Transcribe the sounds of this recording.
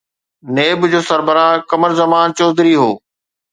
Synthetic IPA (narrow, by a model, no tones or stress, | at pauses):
neːbd͡ʑoːsɐɾbəɾãːkɐməɾzɐmaːnt͡ɕoːd̪ɾiɦoː